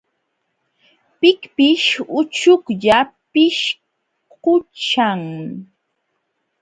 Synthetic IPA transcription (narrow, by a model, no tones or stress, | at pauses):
pɪkpɪʃʊt͡ʃʊkʎapɪʃ | kʊt͡ʃaŋ